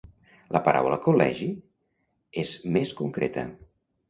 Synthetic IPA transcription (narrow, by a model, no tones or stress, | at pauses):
lʔəpəɾʔa̰wlə̰kulɛ̰ʒi | ezmeskuŋkɾet̪ə̰